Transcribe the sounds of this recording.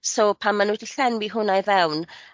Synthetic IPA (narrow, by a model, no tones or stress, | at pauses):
sowpʰamːanudiɬɛnwiɦʊnajvɛwn